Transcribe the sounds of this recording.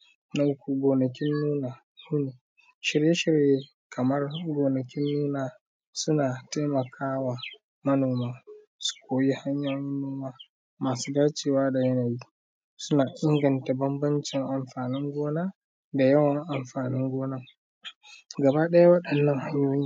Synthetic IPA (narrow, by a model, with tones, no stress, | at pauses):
na˨˦ku˨ɡʷoː˨nɐ˨k̬ʲɪ˦nːuː˦naː˨ | nuː˦neː˨ | ʃɪ˨ɾje˦ʃɪ˨ɾje˦ | kʰɐ˨mɐ˦rɡoː˨nɐ˨kʲɪ˦nːuː˦naː˨ | sʊ˦naː˨ta˦jmɐ˨kʰaː˦wa˨ | mɐ˦noː˨maː˦ | su̥˦kʷoː˨ji˦ha˦ɲjaː˦ji˦noː˦maː˦ | maː˨suː˦daː˦t͡ʃeː˨waː˦da˨jɐ˦naː˨ji˦ | sʊ˦naː˨ʔɪ˦ŋɡɐ˨nta˨bɐ˦mbɐ˦nt͡ʃɪ˨ŋʔa˨mɸaː˨nɪ˦ŋɡʷoː˦naː˦ | da˨jɐ˦wɐ˨ŋʔa˨mɸaː˨nɪ˦ŋɡʷoː˦na˦ | ɡɐ˨baː˦ɗɐ˦ja˦wɐ˦ɗɐ˨nːɐ˦ŋha˦ɲjoː˦ji˦